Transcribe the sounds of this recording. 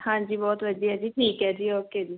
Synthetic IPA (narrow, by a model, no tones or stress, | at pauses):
hãːd͡ʒiːbɔːt̪ʋəɖiːɛːd͡ʒiːʈʰiːkɛd͡ʒiɔked͡ʒiː